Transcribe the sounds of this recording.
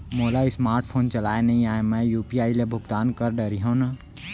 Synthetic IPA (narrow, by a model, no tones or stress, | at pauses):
moːlaɪsmaːɾʈpʰoːnt͡ʃɐlaːenɐĩaːemɛ̃juːpiaːilebʱʊɡt̪aːnkəɾɖəɾiɦõːna